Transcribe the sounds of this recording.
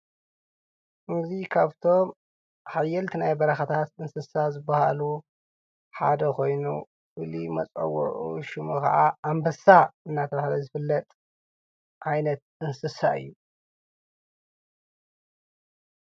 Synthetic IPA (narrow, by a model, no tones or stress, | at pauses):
ʔɨŋɡzikʰaβt̪ʰo̞m | ħajːɛlt̪ʰinajbɐɾɐxɐt̪ʰat̪ɨnsɨsazɨbːahalu | ħa̰d̪ɐkʰo̞jnṵ | ʔɨlimɐ̰t͡sʼɐ̰wːɔ̰ʔṵʃɨmukɐ̰ʕaambɐsːaɨnːat̪ʰɐβahlɐzɨfɨlːɐt̪ʼ | ʕajnɐt̪̚ɨnsɨsaɨ̰jːu